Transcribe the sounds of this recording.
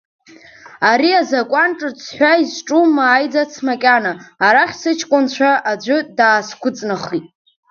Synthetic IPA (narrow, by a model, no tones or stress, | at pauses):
aɾiazakʷʼanʈ͡ʂʼɨt͡sʰħʷaizʈ͡ʂʼumaːjd͡zat͡sʰmakʲʼanaːɾaχʲsɨt͡ʃʰkʷʼʊnt͡ɕʷʰaʔad͡ʒʷʊdaːskʷʰʊt͡sʼnaχitʼ